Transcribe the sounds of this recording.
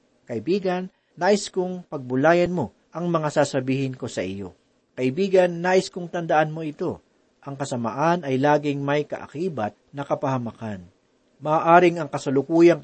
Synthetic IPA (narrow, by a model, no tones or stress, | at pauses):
kɐʔɪbiːɡɐnː | aːʔɪskʊŋpɐɡ̚bʊlaːjɐnmo̞ | ʔɐŋmɐŋasaːsɐbiːhɪnko̞sɐʔɪjo̞̰ | kɐʔɪbiːɡɐnːaːʔɪskʊŋt̪ɐnd̪ɐʔanmo̞ɪt̪o̞ | ʔɐŋkɐsɐma̰ʔanɐjlaːɡɪŋmɐjkɐ̰ʔɐ̰kiːbɐt̪̚nɐkɐpɐhɐmɐkan | mɐːʔaːɾɪŋɐŋkɐsɐlʊkuːjɐŋ